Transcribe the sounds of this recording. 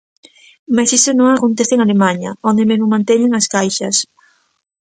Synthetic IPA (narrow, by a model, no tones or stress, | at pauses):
masisonõŋakont̪eθeŋalemãɲɐ̰ond̪emezmʊomãnt̪eɲeŋaskajʃɐs